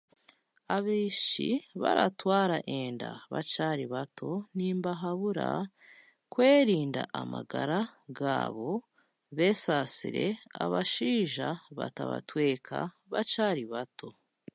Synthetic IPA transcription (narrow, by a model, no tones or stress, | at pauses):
aβiːʃḭβaɾatwaːɾaʔeːndaβat͡ʃaːɾiβatʰo̞niːmbaɦaβuɾa | kwe̞ːɾiːndaʔamaɡaɾaɡa̰ːβo̞ | βe̞ːsaːsiɾe̞aβaʃiːʒaβataβa̰twe̞ːkʰa̰ | βat͡ʃaɾiβatʰo̞